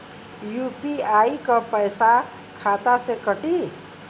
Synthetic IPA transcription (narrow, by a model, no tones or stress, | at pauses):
jupiajikapəjsa | kʰat̪asekʌʈi